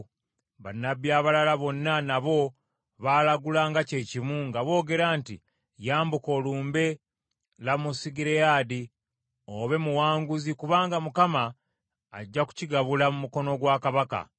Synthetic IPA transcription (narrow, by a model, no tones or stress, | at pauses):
βanːaβjaːβalalaβo̞nːanaβo̞ | βalaɡulaːŋɡace̞ːcimuŋɡaβo̞ːɡe̞ɾaːnti | jaːmbuko̞luːmbe̞ | lamusiɡiɾejaːdi | oβe̞muwaːŋɡuzikuβaːŋɡamukamaː | ɟːaku̥ciɡaβulamumuko̞no̞ɡwaːkaβaka̰